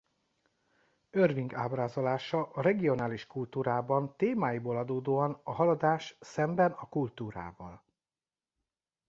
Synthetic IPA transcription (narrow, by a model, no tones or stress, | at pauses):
ørviŋɡaːbraːzo̞laːʃɒʔɒɾɛɡio̞naːliʃkult̪uːɾaːbɒnt̪eːmaːjiboːlɒd̪oːd̪oːɒnɒɦɒlɒd̪aːʃsɛmbɛnɒkult̪uːɾa̰ːvɒ̰l